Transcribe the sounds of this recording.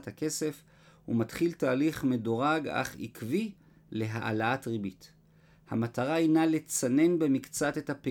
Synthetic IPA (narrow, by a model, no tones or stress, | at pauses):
thake̞se̞f | hṵmatχiltaːliχme̞doʁaɡa̰χḭkvi | le̞ɦa̰ʔa̰laatʁibit | hamataʁainale̞t͡sane̞nbe̞mikt͡sate̞thape